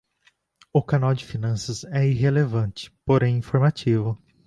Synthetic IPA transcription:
ʊkanawd͡ʒɪfinɐ̃sɐzɛiɦelevɐ̃t͡ʃɪ̥poɾẽj̃ĩfoɾmat͡ʃivʊ

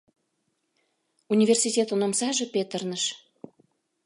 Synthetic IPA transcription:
unʲivʲersitʲet̪onomsɑʒĕpet̪ərnəʃ

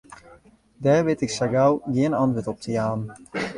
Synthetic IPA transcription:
dɛːɹʋɪtɪksaɡawɡiənantʋətɔp̚tʰəjaːn

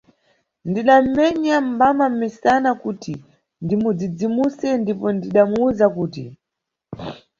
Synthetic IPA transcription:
ndiɗam̩mɛɲam̩bamammisanakuti | ndimud͡zid͡zimusɛndipɔndiɗamuuzakuːti

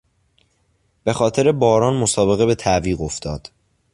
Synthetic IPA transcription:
b̥e̞xɒːt̪ʰeɾe̞bɒːɾɒːnmo̞sɒːbe̞ɣe̞be̞t̪ʰæʔviːɣo̞ft̪ɒːd̪̥

